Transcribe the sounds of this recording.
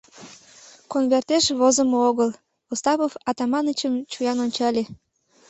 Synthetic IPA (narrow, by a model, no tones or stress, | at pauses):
konβert̪eʃβozəmooɣəl | ost̪ɑβofɑt̪ɑmɑnət͡ɕəmt͡ɕujɑnonʲt͡ɕɑlʲe